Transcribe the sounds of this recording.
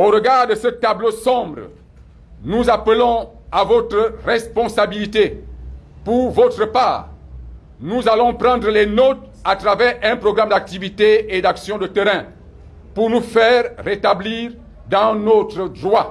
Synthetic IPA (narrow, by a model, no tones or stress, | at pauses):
oʁəɡaʁd̪əsət̪ablosɔ̃bʁə̰ | nuzapəlɔ̃ | avɔt̪ʁəʁɛspɔ̃sabilit̪e | puʁvɔt̪ʁəpaːʁ | nuzalɔ̃pʁɑ̃d̪ʁəlɛnɔt̪ | at̪ʁavɛʁɛ̃pʁɔɡʁamd̪ak̚t̪ivit̪eed̪aksjɔ̃d̪ət̪ɛʁɛ̃ | puʁnufɛʁːet̪abliʁ | d̪ɑ̃not̪ʁəd̪ʁwa